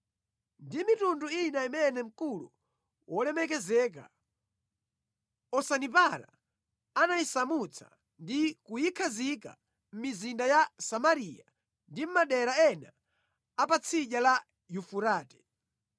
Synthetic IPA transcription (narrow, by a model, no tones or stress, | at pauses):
ndimitunduinaimɛnɛm̩kulṵ | wʔɔlɛmɛkɛzɛːk̬a̰ | ɔsanip̬aɾa̰ | anaisamut͡sʰḁ̰ | ndikujikʰazika̰ | m̩mizindajasamaɾija̰ | ndim̩maɗɛɾaɛna̰ | apat͡sʰiʄala | jufuɾaːtɛ̥